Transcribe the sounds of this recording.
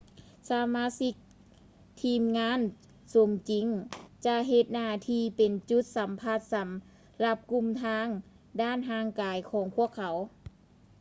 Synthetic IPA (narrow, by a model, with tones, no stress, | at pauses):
saː˧maː˧˥˨si˧k̚ | t̪ʰiː˧mŋaː˧˥˨n | so˨˦mt͡ɕi˨˦ŋt͡ɕa˧ɦe˧t̪̚naː˧˩t̪ʰiː˧˩pe˨nt͡ɕu˧˦t̪̚sa˨˦mpʰaː˧˩t̪̚sa˨˦m | la˧˥p̚ku˧mt̪ʰaː˧˥ŋ | daː˧˥˨nɦaː˧˥˨ŋkaː˨˧jkʰɔː˨˧˦ŋpʰu˧˥˩əkʰːa˨˦w